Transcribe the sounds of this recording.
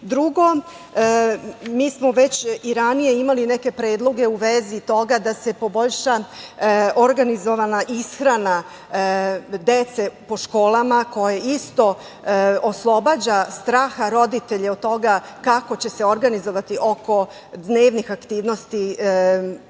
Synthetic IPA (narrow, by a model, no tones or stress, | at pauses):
d̪ɾuɡo̞ | miːsmo̞ʋe̞t͡ɕiɾanije̞imalineke̞pɾe̞ːd̪lˠo̞ɡe̞uʋe̞zit̪o̞ɡad̪ase̞po̞bo̞ʎʃa | oɾɡanizo̞ʋanaʔisxɾana | d̪e̞t̪se̞po̞ʃko̞ːlˠamako̞je̞ist̪o̞ | oslˠo̞bad͡ʑast̪ɾaːxaɾo̞d̪it̪e̞ʎeod̪̚t̪ːo̞ɡakakot͡ɕe̞se̞o̞ɾɡanizo̞ʋat̪iʔo̞ko̞ | d̪ne̞ːʋnixakt̪iːʋno̞st̪i